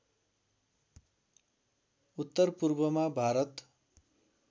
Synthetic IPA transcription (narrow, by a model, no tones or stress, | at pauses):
ut̪ːʌrpurbʌmabʱaɾʌt̪